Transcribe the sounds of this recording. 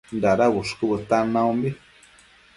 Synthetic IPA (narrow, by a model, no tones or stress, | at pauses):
nd̪aɾaβuʂkɨbɨt̪anãũmbi